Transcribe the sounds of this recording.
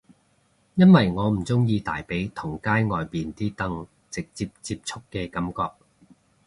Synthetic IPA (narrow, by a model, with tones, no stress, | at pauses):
jɐ˥nwɐ˨jŋɔː˨˧m̩˨˩t͡sʊ˥ŋjiː˧t̪a̰ː˨˩jpe˨˥jt̪ʰʊ˨˩ŋkaː˥jŋɔː˨jpiː˨nt̪iː˥t̪ɐ˥ŋ | t͡sɪ˨k̚t͡siː˧p̚t͡siː˧p̚t͡sʰʊ˥kːɛː˧kɐ˨˥mkɔː˧k̚